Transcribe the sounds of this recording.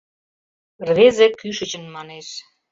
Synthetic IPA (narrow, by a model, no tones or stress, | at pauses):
rβezekyʃə̆t͡ɕənmɑneʃ